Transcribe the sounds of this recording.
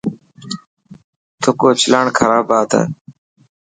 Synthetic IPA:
t̪ʰoːkoːt͡ʃʰɪlaːɳkʰəɾaːbaːt̪ʰa̰ː

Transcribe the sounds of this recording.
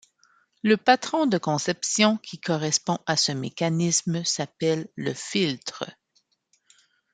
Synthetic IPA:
ləpat̪χɔ̃d̪əkɔ̃sɛpsjɔ̃kʲʰikʰɔʁɛspɔ̃ʔasəmekanismsapɛlːəfilt̪χə̰

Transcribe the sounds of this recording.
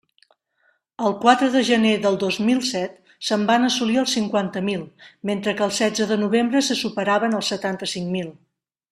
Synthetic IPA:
əlˠkwat̪ɾəðəʒəneðəlˠd̪ozmilˠsɛt̪ | səmbanəsuliəlˠsiŋkwant̪əmilˠment̪ɾəkəːlˠsɛd͡zəðənuβ̞embɾəsəsupəɾaβənəlˠsət̪ant̪əsiŋmilˠ

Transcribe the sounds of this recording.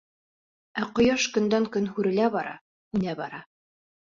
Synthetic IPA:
æqŏjɑʃkɵ̆nd̪æŋkɵnhʉɾɘ̆læbɑɾɑ̰ | ʉnæbɑɾɑ

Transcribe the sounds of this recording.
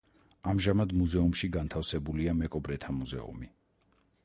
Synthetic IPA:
amʒamad̪muzɛumʃiɡant̪ʰafsɛbuliamɛkʼɔbɾɛt̪ʰamuzɛ̰ṵmi

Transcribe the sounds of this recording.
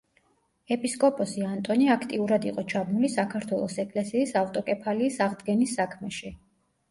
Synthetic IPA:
ɛpʼiskʼɔpʼɔsiant̪ʼɔniakʰt̪ʼiuɾad̪iqʼɔt͡ʃʰabnulisakʰaɾt̪ʰwɛlˠɔsɛkʼlɛsiːsaft̪ʼɔkʼɛpʰaliːsaʁd̪ɡɛnisːakʰmɛʃi

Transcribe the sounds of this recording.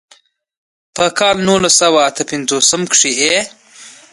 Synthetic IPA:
pəkɑːlnulasawaːt̪ʰəpɪnzosəmkʂie

